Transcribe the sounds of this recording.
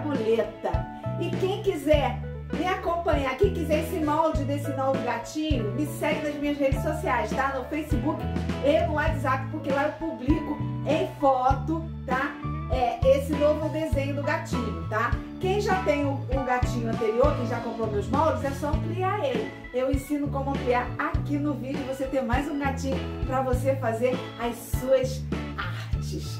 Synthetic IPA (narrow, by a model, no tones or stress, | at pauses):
boʎet̪ɐ | ɪkẽj̃kizɛ | mɪakõpɐ̃ɲakẽj̃kizɛɾesɪmawd͡ʒɪd̪esɪnovʊɡat͡ʃĩɲʊmɪsɛɡɪnɐzmĩɲɐzhed͡ʒɪsosiajst̪anʊfejsibukɪ̥enɐ̃w̃ɛizat̪ʊ̥pʊɾkelaʊwpublikʊẽj̃fɔt̪ʊ | t̪aɛesɪnovʊd̪ezẽɲʊd̪ʊɡat͡ʃĩɲʊt̪a | kẽj̃ʒat̪ẽj̃ũũɡat͡ʃĩɲʊɐ̃nt̪eɾioɾkẽj̃ʒakõpɾomeʊzmɔɾʊzɛsɔ̃kliaɾelɪ | ewẽsĩnʊkõmʊɐ̃pliaɾakinʊvid͡ʒʊvoset̪ẽmajzũɡat͡ʃĩɲʊpɾɐvosefazeɾɐjsuɐsaɾt͡ʃɪs